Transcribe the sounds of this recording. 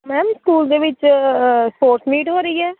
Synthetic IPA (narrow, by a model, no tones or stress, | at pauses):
mɛːmskuːld̪eːʋɪt͡ʃspoːɾsmiːʈɦoːɾəiːɛː